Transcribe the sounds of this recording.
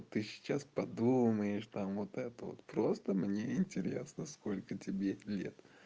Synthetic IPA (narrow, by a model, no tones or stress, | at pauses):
t̪ːɨsʲɪ̥t͡ɕːaspɐd̪uməjɪʂt̪amvot̪ɛt̪əvo̰t̪pɾo̞st̪əmnʲeɪnʲtʲɪɾʲḛsnəsko̞lʲkətʲɪbʲelʲḛt̪